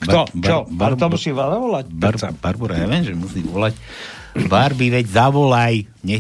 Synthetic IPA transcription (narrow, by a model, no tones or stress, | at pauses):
kb̪ɔbtaɔbaɾb̪ɔmusiːʋazaʋɔlabaɾbaɾbuɾajaʋɛnʒɛmusiːʋɔlac | baɾbiʋɛɟzaʋɔlaj | ɲɛ